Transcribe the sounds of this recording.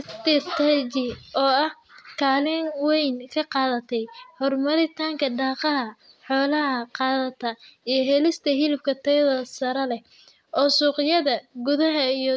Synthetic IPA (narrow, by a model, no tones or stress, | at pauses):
ɪst̪ɛt̪ʰat͡ʃɪɔːɐh | kʰaːlɪnwɛjnkʰɐqɑːðɐt̪ʰɛjhɔrmɐɾɪt̪ʰaːŋkʰɐɖɑːqɑɦɐ | ħɔːlɐɦɐqɑːðɐt̪ʰɐijɞɦɛlɪst̪ʰɐɦɪlɪb̚kʰɐt̪ʰɐjɐðɐsɐɾɐlɛh | ʔɔːsuːqɪjɐðɐɡʊðɐɦɐijɞ